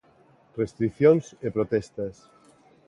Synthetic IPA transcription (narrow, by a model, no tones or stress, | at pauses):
rest̪ɾikθjonsepɾot̪ɛst̪ɐs